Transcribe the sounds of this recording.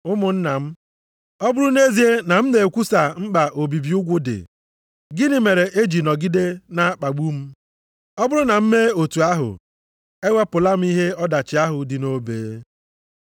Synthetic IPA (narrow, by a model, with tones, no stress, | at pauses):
ʊ˦mʊ˨n̩˦na˨m̩˦ | ɔ˦bʊ˦ɾʊ˦ne˦zi˨e˦na˨m̩˦ne˨kʷu˦sa˨ŋ͡m̩˦k͡pa˨ʔo˨bi˨bi˨ʊ˦ɡʷʊ˦dɪ̰˨ | ɡɪ˦nɪ˦me˨ɾe˨ʔe˦d͡ʒi˨nɔ˨ɡɪ˦de˦na˦k͡pa˨ɡ͡bu˦m̩˦ | ɔ˦bʊ˦ɾʊ˦na˨m̩˦me˦o˨tu˨a˦ɦʊ̰˨ | e˦ŋʷe˦pʊ˨la˦m̩˦i˦ɦe˦ɔ˦da˨t͡ʃɪ˨a˦ɦʊ˨dɪ˨no˨˦bḛː˨˦